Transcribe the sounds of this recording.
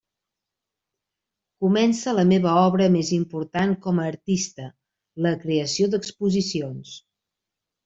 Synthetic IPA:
kumɛnsələmeβəɔβɾəmezimpuɾt̪aŋkɔməːɾt̪ist̪ə | ləkɾeəsiod̪əkspuzisions

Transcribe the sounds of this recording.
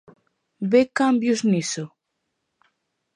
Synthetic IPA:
bekambjʊzniso

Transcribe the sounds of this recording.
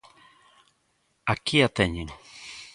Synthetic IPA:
akiat̪eɲiŋ

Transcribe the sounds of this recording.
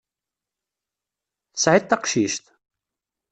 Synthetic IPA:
θəsʕit̪ːɑqʃiʃt̪

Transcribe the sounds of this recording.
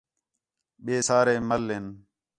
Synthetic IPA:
ɓeːsaːɾeːməlːen

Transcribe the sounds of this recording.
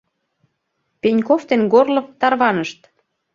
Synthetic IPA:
penʲkoft̪enɡorlopt̪ɑrβɑnəʃt̪

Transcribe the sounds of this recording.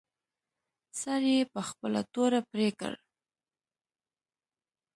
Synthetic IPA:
saɾjepəxpəla̰t̪oɾapɾekə̰ɽ

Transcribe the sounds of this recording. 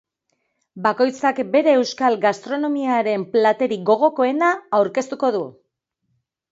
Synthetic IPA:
bako̞jt͡sakbe̞ɾe̞ːwskalɡast̪ɾo̞no̞miaɾe̞mplat̪e̞ɾiɣo̞ɣ̞o̞ko̞e̞naːwɾke̞st̪uko̞ðu

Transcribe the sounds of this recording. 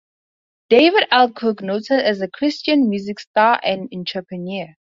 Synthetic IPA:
d̥eɪvɪɾælˠkʰuknotsəɨzəkʰɹ̥ɪst͡ʃə̃nmjuːzɪkstaʔɛ̃nɪ̃nt͡ʃʰəpəniə

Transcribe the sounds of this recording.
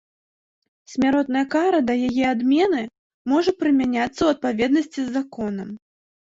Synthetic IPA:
sʲmʲaɾɔt̪̚nɐjɐkaɾɐd̪ɐjajɛad̪mʲɛnɨ | mɔʐɐpɾɨmʲanʲat̪sːɐwɐt̪̚pavʲɛd̪nɐsʲt͡sʲizʲːakɔnɐm

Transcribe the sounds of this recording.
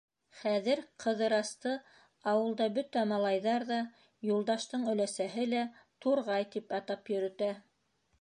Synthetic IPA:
χæðɘɾqʰɤ̆ðɤ̆ɾɑst̪ɤ | ɑwɤ̆lˠd̪ɑbɵt̪æmɑlˠɑjðɑɾðɑ | julˠd̪ɑʃt̪ɤɴɵ̆læsæɦɘlæt̪uɾʁɑjt̪ipɑt̪ɑpjɵ̆ɾɵ̆t̪æ

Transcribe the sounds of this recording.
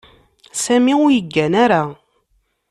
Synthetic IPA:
sæmiʊɾjəɡːænaɾa

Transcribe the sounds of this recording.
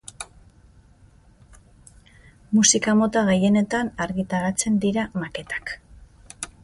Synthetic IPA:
musikamo̞t̪aɣeje̞ne̞t̪anaɾɣit̪aɾat͡se̞nd̪iɾamake̞t̪ḁk

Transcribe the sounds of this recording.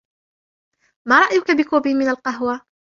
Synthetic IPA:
maːɾˤɑʔjʊkabɪkoːbiːmɪnalqɑɦwa

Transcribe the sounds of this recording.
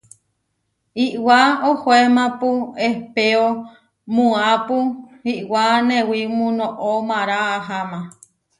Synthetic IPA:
iʔwaohoemãpuehpeo | mũapuiʔwanẽwimũnõʔomãɾaːɦamã

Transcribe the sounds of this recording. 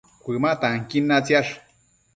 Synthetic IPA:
kʷɨmaʔt̪aŋkinːat͡sjaʂ

